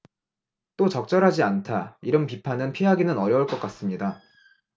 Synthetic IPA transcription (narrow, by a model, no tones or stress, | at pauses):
t͈ot͡ɕʌk̚t͡ɕ͈ʌɾɦad͡ʑiantʰaiɾʌnpipʰanɯnpʰiɦaɡinɯnʌɾjʌuɭk͈ʌk͈as͈ɯmɲida